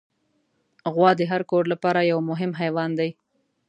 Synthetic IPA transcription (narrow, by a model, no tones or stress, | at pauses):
ɣwɑd̪əɦaɾkoɾlapɑɾajawmʊɦɪmɦajwɑnd̪aj